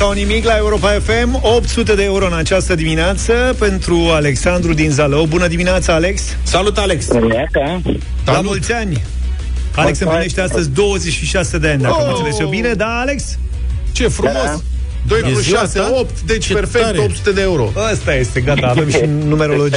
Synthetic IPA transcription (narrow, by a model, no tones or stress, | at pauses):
saunimiklae̞uɾo̞paefe̞mo̞p̚t̪sut̪̬e̞d̪eeuɾo̞ɨnat͡ʃast̪əd̪imineat̪səpe̞nt̪ɾuale̞ksand̪ɾud̪inzalobunəd̪imineat̪saale̞ksːalut̪aleks | dlamult̪sʲanʲ | ale̞ksɨmplineʃt̪east̪əzʲd̪o̞wəze̞t͡ʃʃiʃase̞d̪eanʲd̪ased̪et͡ʃebined̪aːle̞ks | t͡ʃefɾumos | d̪ojaseopt̪d̪et͡ʃperfek̪op̚t̪sut̪e̞d̪eeuɾo̞̰ast̪aje̞st̪e̞ɡat̪aːvemʃinume̞ɾo̞lod͡ʒi